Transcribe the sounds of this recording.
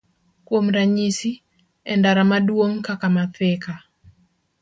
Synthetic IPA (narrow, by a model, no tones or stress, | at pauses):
kwomɾaɲisi | ɛndaɾamadwoŋkakamat̪ɛka